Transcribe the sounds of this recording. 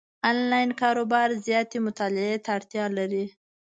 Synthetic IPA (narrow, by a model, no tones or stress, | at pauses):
ɑnlɑjnkɑɾobɑɾzjɑt̪emʊt̪ɑlɪet̪aːɽt̪jɑlaɾi